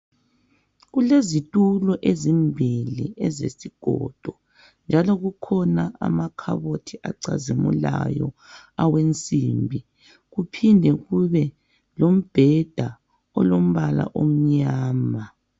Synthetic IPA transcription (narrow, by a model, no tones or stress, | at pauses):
ɣulezitʼulɔʔezimbʱilḭɛzḛsiɡ̥ʱɔ̰d̥ʱɔ | nd͡ʒʱalɔɣukʰɔnaa̰makʰa̰βotʰiʔa̰ǀazimṵla̰jɔ̰awent͡sʼimbʱi | ɣupʰindʱɛɣuβɛ | lom̩b̥ʱɛd̥ʱa | ɔlom̩βala̰ʔom̩ɲaːma